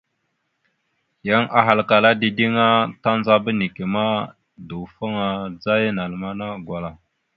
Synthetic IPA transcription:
ja˦ŋa˨ɦa˨lka˨la˦di˨di˦ŋa˦ta˦nza˦bə˦ni˨ke˨ma˦ | du˨fə˦ŋa˨d͡za˦jna˨lma˦na˦ɡwa˨la˨

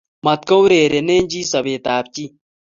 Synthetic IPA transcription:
mɐt̪̚kɐ˦wɾeː˨ɾe˨neː˦nd͡ʒiː˦sɐ˨beː˨t̪aːp̚t͡ɕi˦

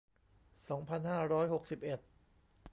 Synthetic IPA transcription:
sɔː˩˦ŋpʰa˧nhaː˥˩ɾɔː˦˥jho˨˩k̚si˨˩p̚ʔe˨˩t̪̚

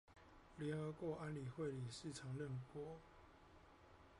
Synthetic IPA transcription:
ljɛ˧˦nxɤ˧˦kwɔ˧˥˦a˦˥nli˨˩xwe˥˨ɪli˨˩ʂɻ̩˥˨ʈ͡ʂʰɑ˨˦ŋlə˥˨ŋkwɔ˥˦

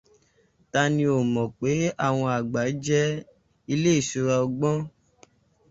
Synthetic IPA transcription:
ta˧nĩ˧o˨mɔ̃˨k͡pe˨˦a˦˨w̃ɔ̃˧a˨ɡ͡ba˨˦d͡ʒɛ˦ | i˧le˦i˦˨ʃu˧ɾa˧ɔ˧ɡ͡bɔ̃˦

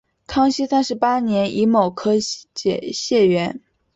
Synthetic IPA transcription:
kʰɑ˥ŋɕi˥sa˥nʂɻ̩˧˥pa˥njɛ˧˥nʔi˧˥mo˨˩ʊkʰɤ˥t͡ɕjɛ˨˩ɕjɛ˥˩ɥɛ˧˥n

